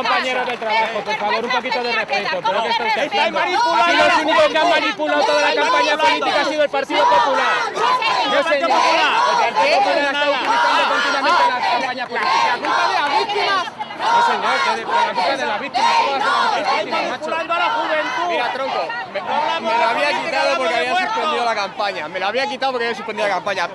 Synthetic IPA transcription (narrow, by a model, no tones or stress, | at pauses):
ompaɲeɾoðet̪ɾaβaxopoɾfaβoɾumpokit̪oðerefet̪opeɾoest̪esajmmanipulaosuniðekamanipulat̪oðalakampaɲapolit̪ikasiðoelpaɾt̪iðopopulaɾ | nesaepopulaɾelpaɾt̪iðoopolaet̪ault̪iliθand̪okont̪iβamẽnt̪eakampaɲapoiiiaut̪aðeaβit̪ima | soseɲoɾoelasit̪aðelaβikt̪imaooaseoioimnimapuland̪oalaxuβent̪uiat̪ɾoŋkommelaaβiakit̪aðopoɾkkeaβiasespend̪iðolakampaɲamelaβiak̬it̪aðopoɾkeaβjas̬u̥pend̪iðoakampaɲa